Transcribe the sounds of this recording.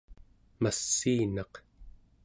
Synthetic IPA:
masːiːnɑq

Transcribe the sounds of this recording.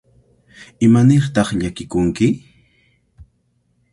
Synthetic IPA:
ɪmanɪɾt̪ɑχʎakɪkʊŋkɪ

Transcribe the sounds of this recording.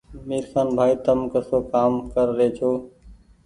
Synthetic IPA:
miːɾsaːnbʱaːit̪əmkəsoːkaːmkəɾɾeːt͡ʃʰoː

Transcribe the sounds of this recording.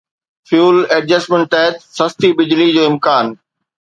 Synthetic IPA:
fjuːlɛːɖd͡ʑəsmẽɳʈ̚ɛɦɪt̪sɐst̪ibɪd͡ʑlid͡ʑoːɪmkaːn

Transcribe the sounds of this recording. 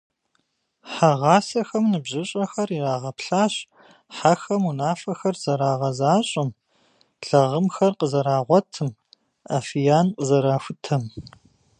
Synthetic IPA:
ħaʁɑːsɐxɐmnɨbʑɪɕʼɐxɐriraːʁɐpɬaːɕ | ħaxɐmunaːfɐxɐrz̥ɐɾaːʁɐzaːɕʼɪm | ɮɐʁəmxɐrqəzɐɾaːʁʷɔtʰɨm | a̰ːfijaːnqʼəzɐɾaːfʷʊtʰɐm

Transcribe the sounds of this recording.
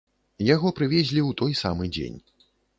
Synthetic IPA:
jaɣɔpɾɨvʲɛzʲlʲiwt̪ɔjsa̰mɨd͡zʲḛnʲ

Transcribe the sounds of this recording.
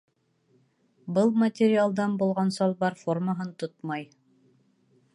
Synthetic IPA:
bɤlˠmɐtʲɪɾʲɪalˠd̪ɑnbulˠʁɑnsɑlˠbɑɾforməɦɤnt̪ot̪mɑj

